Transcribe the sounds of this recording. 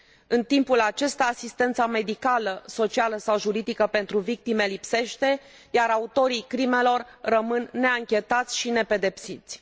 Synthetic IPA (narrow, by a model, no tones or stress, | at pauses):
ɨnt̪impulat͡ʃe̞st̪aːsist̪e̞nt̪same̞d̪ikaləso̞t͡ʃialəsawʒuɾid̪ikəpe̞nt̪ɾuvik̚t̪ime̞lipse̞ʃt̪e̞ | jaɾaut̪o̞ɾijkɾime̞lo̞rrəmɨnːe̞aŋkʲe̞t̪at̪sʲʃine̞pe̞d̪e̞psit̪sʲ